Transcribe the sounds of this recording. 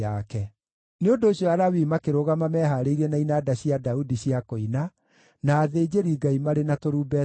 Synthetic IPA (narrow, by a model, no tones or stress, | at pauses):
akɛ | neondoːɕjɔaɾawiːmakeɾoɣamamɛːɦaɾeiɾɛnainaːdaɕiadaudiɕiakoina | naːðeːd͡ʑeɾiːɡaimaɾenatoɾuːbɛ